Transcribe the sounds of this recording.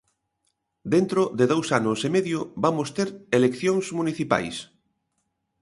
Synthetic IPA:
d̪ent̪ɾoðeðowsanʊsemeðjʊβamost̪eɾelekθjoŋsmuniθipa̰js

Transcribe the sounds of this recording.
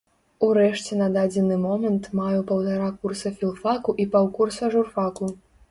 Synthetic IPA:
uɾɛʂt͡sʲɛnɐd̪ad͡zʲɛnɨmɔmɐnt̪majɛpɐwt̪aɾakursɐfʲilˠfakuʔipawkursɐʐurfaku

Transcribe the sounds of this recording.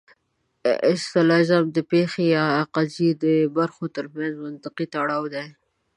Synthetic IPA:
ɪ̰st̪alɑzamd̪əpexejɑːqazid̪əbaɾxot̪əɾmjanzmant̪ɪqit̪aɽɑwd̪ej

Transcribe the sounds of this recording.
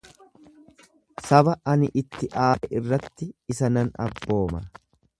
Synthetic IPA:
sɐbɐʔɐnɪʔɪt̪ːɪʔaːɛʔɪrːɐt̪ːɪɪsɐnɐnɐ̰bːo̞ːmɐ̰

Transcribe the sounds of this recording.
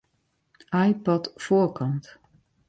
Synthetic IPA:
ʔajpɔtfoːkʰɔnt

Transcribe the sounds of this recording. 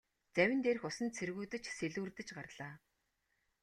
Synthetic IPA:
t͡sæwʲɪ̆nt̪eːrɘ̆xʊsə̆nt̪̚t͡sʰerɣuːt̪ɘ̆t͡ɕseɮuːrt̪ɘ̆t͡ɕɢarɮ̥aː

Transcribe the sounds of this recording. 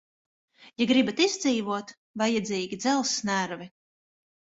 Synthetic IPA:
jaɡɾibat̪izd̪ziːvuɔt̪ | vajɛd̪zʲiːɡʲid̪zɛlˠsnæɾvi

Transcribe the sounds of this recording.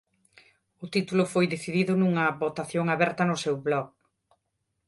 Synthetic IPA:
ʊt̪it̪ulʊfojðeθiðiðʊnuŋɐβot̪aθjoŋaβɛɾt̪ɐnʊsewβlɔɣ

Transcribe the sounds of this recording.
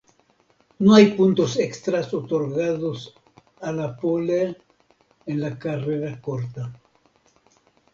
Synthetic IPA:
nuajpunt̪o̞sekst̪ɾasotoɾɡaðos | alapole | enlakaɾeɾakoɾt̪a

